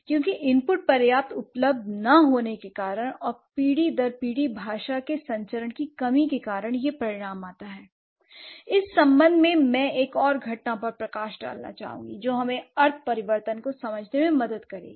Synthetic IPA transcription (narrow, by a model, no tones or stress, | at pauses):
kjõːkiʔɪmpʊʈ̚pɐɾjaːp̚t̪ʊpləb̚d̪ʱnɐɦoːnekekaːɾəɽ̃ɔːɾpiːɽid̪ɐɾpiːɽibʱaːʃakesɐ̃ɲt͡ʃəɾəɳkikɐmikekaːɾəɽ̃jepɾɐɾɪɽ̃aːmaːt̪aɦɛː | ɪsːɐ̃mbə̃nd̪ʱmẽmɛ̃eːkɔːɾɡʱɐʈnapɐɾpɾɐkaːʃɖa̰ːlna̰t͡ʃa̰ːɦṵ̃ːŋɡid͡ʒoːɦɐmẽɐɾt̪̚ʰpɐɾɪʋəɾt̪ənkosɐməd͡ʒʱnemẽmɐd̪əd̪kɐɾḛ̃ː